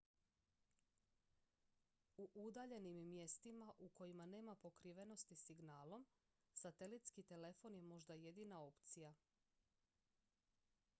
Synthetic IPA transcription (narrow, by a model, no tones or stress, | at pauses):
uʔud̪aʎe̞nimːje̞st̪imaʔuko̞jimane̞ːmapo̞kɾiʋe̞no̞st̪isiɡnaːlˠo̞m | sat̪e̞lit̪skit̪e̞le̞fo̞nje̞mo̞ʒd̪aje̞d̪iːnao̞pt̪sija